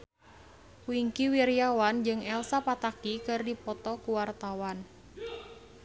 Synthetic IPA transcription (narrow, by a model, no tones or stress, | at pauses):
wiŋkiwirijawand͡ʒɨŋɛlsapat̪akikɨrdipɔt̪ɔkuwart̪awan